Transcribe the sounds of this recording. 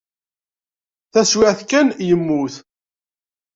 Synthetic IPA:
θæswɪʕθkænjəmːuθ

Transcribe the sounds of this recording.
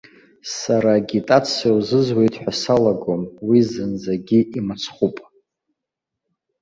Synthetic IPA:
saɾaɡʲitʼat͡sʰawzɨzwe̞jtʼħʷᶣasalaɡomwizɨnd͡zaɡʲiʔimat͡sʰχʷupʼ

